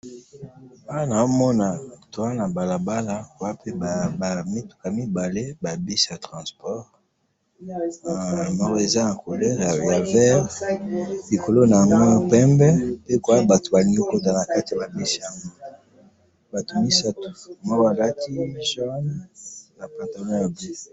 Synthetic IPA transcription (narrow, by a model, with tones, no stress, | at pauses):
a˦na˨o˦mɔ˦na˨to˨wa˦na˨ba˨la˨ba˦la˦ko˨a˦pe˦˨mi˦tu̥˨ka˨mi˦ba˨le˦ba˨bi˦si˨ja˨tʁɑ̃˨spɔ˦ʁ | mɔ˦ʁe˨za˦na˨ko˨lɛ˦ja˨ja˨vɛ˦ʁ | li˨ko˨lo˦na˨ja˨ŋɡo˦˨pɛ˦mbɛ˦pe˦ko˨a˦ba˨to̥˨ba˨lĩ˦ɡo˦ko˦ta˨na˨ka˦ti˨a˨ba˨bi˦si˨ja˨ŋɡo˦ | ba˨to˨mi˦sa˦tu̥˨mɔ˦ko˦a˨la˦tʰi˦ʒa˦nna˨pa˨ta˨mɔ̃˦ja˨bi˦s